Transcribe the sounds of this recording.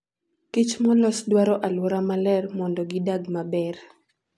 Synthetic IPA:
kit͡ʃmɔlɔsdwaɾɔʔalwɔɾamalɛrmɔndɔɡɪdaɡmabɛr

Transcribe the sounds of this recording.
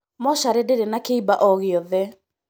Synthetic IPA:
mɔɕaɾedeɾenakeibaʔɔɣeɔðɛ

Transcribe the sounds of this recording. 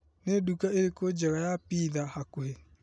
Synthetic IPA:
neduːkaeɾekod͡ʒɛɣajapiðahakoɦe

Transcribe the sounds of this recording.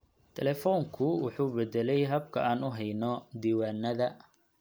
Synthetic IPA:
t̪ʰɛlɛːfɔːŋkʰʊwɑħuːbɛd̪ɛlɛjɦɐb̚kʰɐaːnʊɦɛjnɔd̪iːwaːnːɐðɐ

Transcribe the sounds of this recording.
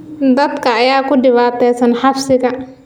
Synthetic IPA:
d̪ɐd̪kʰɐːjaːkʊɖɪβaːt̪ʰɛjsɐnħɑfsɪɣɐ

